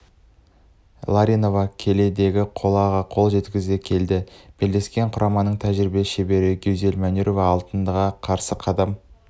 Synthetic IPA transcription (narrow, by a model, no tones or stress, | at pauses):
lˠaɾʲino̞vɑkʲʰe̞le̞d̪e̞ɡʲɪqʰo̞lˠɑʁɑqʰo̞lˠʒe̞t̪kʲɪzekʲʰe̞ld̪ɪb̥eld̪e̞skʲe̞ɴqʰʊɾɑmɑnəɴt̪ʰæʒɾɪbeʃebe̞ɾɪɡʲewze̞lmæneɾo̞vɑːlˠt̪ənd̪əʁɑqʰɑɾsəqʰɑd̪ɑm